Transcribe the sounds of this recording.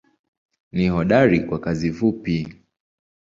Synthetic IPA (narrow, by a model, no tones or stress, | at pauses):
nihɔɗaɾikwakazivupi